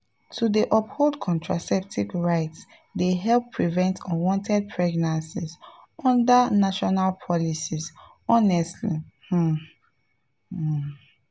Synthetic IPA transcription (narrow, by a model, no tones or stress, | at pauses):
tʰudiʔɔpholˠdkʰɔ̃ntʰɹasɛp̚tʰikɹaɪts | deɦɛlpʰːɹivɛ̃ntʰɔwɔ̃ntʰɛd̚pʰɹɛɡnãnsiz | ɔ̃ndanaʃɔnalpʰɔlisiz | ɔnɛstlih̩